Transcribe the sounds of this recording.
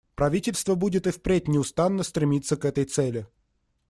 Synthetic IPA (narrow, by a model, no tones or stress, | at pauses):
pɾɐvʲitʲɪlʲst̪vəbudʲɪt̪ɨfpɾʲetʲnʲɪʊst̪anːəst̪ɾʲɪmʲit̪sːəkɛt̪əjt̪sɛlʲɪ